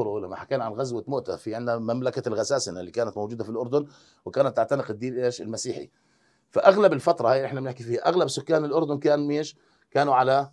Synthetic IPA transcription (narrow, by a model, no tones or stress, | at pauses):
ɾulamːaħakaːnʕanɣazwamoːʔt̪a̰fiʕɪnd̪amamlakalɣasaːsɪnalːikaːnat̪mowd͡ʒuːd̪afilʔʊɾd̪ʊn | wɪkaːnat̪ːaʕt̪anɪqɪd̪ːiːnʔleːʃɪlmasiːħḭ | faʔaɣlabɪlfat̪ɾˤɑhaːjʔɪħnabnɪħkifiːhaʔaɣlabsʊkːaːnɪlʔʊɾˤd̪ʊnkaːnmeːʃ | kaːnuʕala